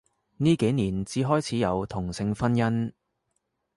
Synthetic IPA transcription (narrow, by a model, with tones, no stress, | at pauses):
niː˥ke˨˥jniː˨˩nt͡siː˨˥ɦɔː˥jt͡sʰiː˨˥jɐ˨˧wt̪ʰʊ˨˩ŋsɪ˧ŋfɐ˥njɐ˥n